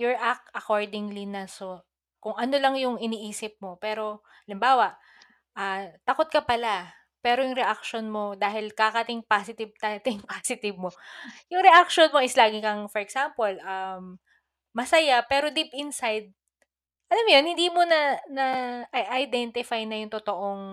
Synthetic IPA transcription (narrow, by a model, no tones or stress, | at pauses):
joɹʔak̪̚ʔɐkoɹd̪ɪŋlinɐso | kʊŋʔɐno̞lɐŋjʊŋɪniːʔiːsɪp̚mo̞pɛːɾo̞ | ɐlɪmbaːwɐʔ | ʔɐt̪ɐko̞t̪̚kɐpɐla | pɛːɾo̞jʊŋɾɛʔak̚ʃonmo̞d̪aːɦɪlkakɐt̪ɪŋpaːsɪt̪ɪb̚t̪ɐt̪ɪŋpaːsɪt̪ɪbmojʊŋɾɛʔakʃonmo̞ʔɪslaːɡɪkɐŋfɔɾɛksampolɐmː | ɐsɐjapɛːɾo̞d̪ipʔɪnsajd̪̚ | ʔɐlamjonhɪnd̪iːmo̞nɐnɐʔʔɐjd̪ɛnt̪ɪfajnɐjʊŋt̪ot̪oʔo̞ŋ